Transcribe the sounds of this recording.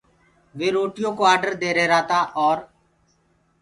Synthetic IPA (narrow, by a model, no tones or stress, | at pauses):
ʋeːɾoːʈɪjõːkoːaːɖəɾd̪eːɾeːɾaːt̪aːʔɔːɾ